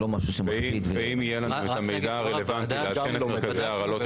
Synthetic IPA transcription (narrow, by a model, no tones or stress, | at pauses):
omaʃuʃemaiit̪veeimijelanuet̪hamejd̪aːʁelevant̪ileatkkenmekazeaːʁalo